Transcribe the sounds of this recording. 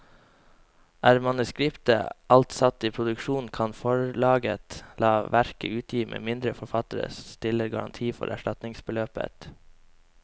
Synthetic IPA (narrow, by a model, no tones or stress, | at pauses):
ʔæːɾmɑnʉskɾɪpt̪ə̰ʔɑlt̪sɑt̪iːpʰɾʊd̪ʉkʃuːnkʰɑnfɔɹlɑːɡə̰t̪lɑːʋæɾkəʉːt̪ʰjiːmʔḛːmɪnd̪ɾəfɔɾfɑt̪əɾə̰sst̪ɪləɾɡɑ̰ɾɑnt̪ʰiːfɔ̰ɾæ̰ʂʈɑt̪nɪŋsbəløːpə̰t̪